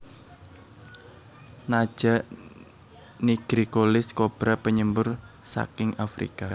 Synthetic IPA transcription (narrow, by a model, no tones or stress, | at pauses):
nḁʒ̥a̤ʔ | niɡ̥ɾikolɪskob̥ɾapəɲəmbʊrsa̰kɪŋafɾḭka